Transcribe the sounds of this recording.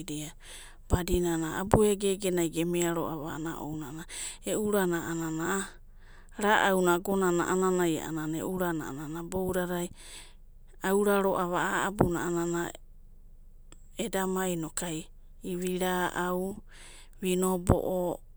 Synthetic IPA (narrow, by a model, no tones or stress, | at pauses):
ɾia | b̥adinanaa̰bueɡeɡenajɡemeaɾo̰ʔa̰βa̰a̰naʔo̰wnanaeuɾanaanana | ɾaʔawnaɡonana̰ʔananaja̰ʔa̰nanaḛʔuɾana̰a̰nanabowɾaɾaj | awɾaɾoʔaβaaabunaanana | edamajnokaj | iβiɾaʔaw | βinobo̰ʔo